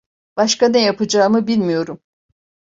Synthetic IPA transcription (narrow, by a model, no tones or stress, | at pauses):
b̥aʃkanejapɯd͡ʒaːmɯbilʲmijo̞ɾum